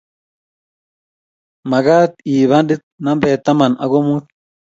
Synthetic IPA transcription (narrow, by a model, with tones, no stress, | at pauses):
mɐ˨ɡaː˦t̪iː˨βa˦ndi˦t̪̚nɐ˦mbɛː˨t̪ːɐ˦mɐ˨nɐ˨ɡo˦mu˦t̪